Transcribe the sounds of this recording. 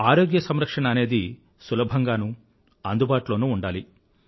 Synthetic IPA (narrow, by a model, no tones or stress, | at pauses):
aːɾo̞ːɡjɐsɐmɾɐkʂɐɳɐːne̞ːd̪i | sulɐbʱɐŋɡaːnu | ɐnd̪ubaːʈulo̞ːnuːɳɖaːli